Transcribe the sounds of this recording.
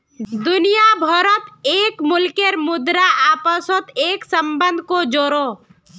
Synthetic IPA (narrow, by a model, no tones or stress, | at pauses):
d̪ʊnijabʱɔɾət̪eːkmʊlkeɾmʊd̪ɾaʔaːpəsɔt̪eːksə̃mbə̃nd̪̚ʱkod͡ʒoːɾoː